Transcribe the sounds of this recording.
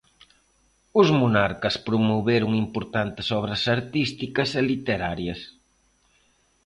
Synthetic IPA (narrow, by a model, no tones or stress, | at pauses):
ʊzmunaɾkɐspɾʊmoβeɾʊŋimpoɾt̪ant̪ɪsɔβɾɐsɐɾt̪ist̪ikɐselit̪eɾaɾjɐs